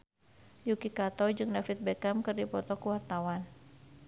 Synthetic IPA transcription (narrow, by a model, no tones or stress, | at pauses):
jukikat̪ɔd͡ʒɨŋnafit̪̚bɛkamkɨrdipɔt̪ɔkuwart̪awan